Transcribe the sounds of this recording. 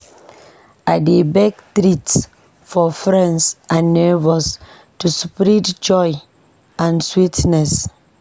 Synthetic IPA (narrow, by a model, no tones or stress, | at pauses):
adebɛktɾits | fɔfɹɛ̃nsʔãnːɛvɔs | tuspɾidd͡ʒɔj | ãnswitnɛs